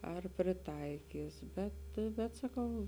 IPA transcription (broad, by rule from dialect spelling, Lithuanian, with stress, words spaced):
ɐr pʲrʲɪˈtɐɪkʲiːs ˈbʲɛt bʲɛt sɐˈkɐʊ